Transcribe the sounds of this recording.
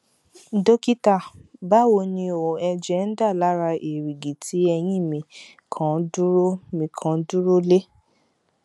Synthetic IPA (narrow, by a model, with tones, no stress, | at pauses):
do˦ki˦ta˦˨ba˦wo˧nĩ˧o˨ɛ˧d͡ʒɛ˦n̩˦da˦˨la˨˦ɾa˧ʔe˨ɾi˨ɡi˨tʰi˨˦ɛ˧j̃ĩ˦˨mĩ˧ | kʰã˦du˦ɾo˦mĩ˧˦kʰã˨˦du˦ɾo˦le˦